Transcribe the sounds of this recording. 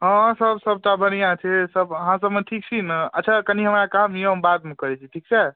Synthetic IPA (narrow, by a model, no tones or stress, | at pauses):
ɦɔ̃səbsəb̚t̪abənijãt͡ʃʰesəbəɦãsəbmeʈʰik̚t͡ʃʰinə̰tːt͡ʃʰakəniɦəmɾakamjeɦəmbad̪̚mekəɾɛt͡ʃʰiʈʰik̚t͡ʃʰɛ